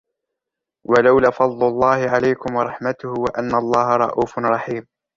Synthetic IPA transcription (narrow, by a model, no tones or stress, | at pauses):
walawlaːfɑd̪ˤlʊlˤːɑːhɪʕalajkʊmwɑɾˤɑħmat̪ʊhwaʔanːaʔlˤːɑːɦɑɾˤɑ̰ʔuːfɾˤɑħiːm